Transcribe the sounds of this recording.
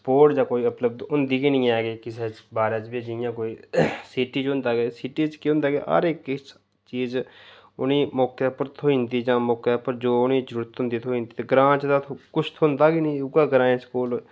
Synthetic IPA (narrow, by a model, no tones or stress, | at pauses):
spoːɾʈd͡ʒaːkoːiːəpləb̚d̪ʊnd̪iːɡinĩːɛːɡeːkɪseːt͡ʃbaːɾaːt͡ʃbiːd͡ʒɪjãːkoːiːsiːʈiːt͡ʃɦʊ̃nd̪aːɡeːsiːʈiːt͡ʃkiːʊ̃nd̪aːɡḛːɦə̰ɾɪkɪ | t͡ʃiːz | ʊ̰niːmɔːkeːpːəɾt̪ʰoːĩːnd̪iːd͡ʒãːmɔːkaːpəɾd͡ʒoːʊnĩːd͡ʒəɾuːɾət̪ɦʊ̃nd̪iːt̪ʰoĩːnd̪iːt̪eɡɾãːt͡ʃd̪at̪ʰokʊt͡ʃʰt̪ʰoʊnd̪aːɡinĩːʊɡaːɡɾãːẽːskoːl